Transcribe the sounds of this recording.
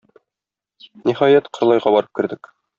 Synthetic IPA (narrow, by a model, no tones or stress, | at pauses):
niχɑjæt̪qŏɾlˠɑjʁɑbɒɾɤp̚kɘ̆ɾd̪ɘk